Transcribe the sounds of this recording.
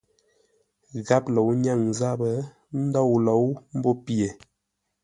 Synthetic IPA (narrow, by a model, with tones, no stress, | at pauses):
ɣa˦plə˨wɲa˦˨ŋza˦bə˨˦ | n̩˦da˦wla˨wm̩˦bo˦pi˨e˨